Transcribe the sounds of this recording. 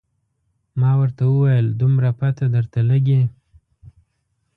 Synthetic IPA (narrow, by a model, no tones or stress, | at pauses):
mɑwəɾt̪awəwajəld̪umɾapat̪ad̪əɾt̪aləɡe